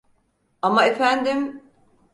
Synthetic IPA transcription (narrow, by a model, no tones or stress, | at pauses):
amaefænd̪im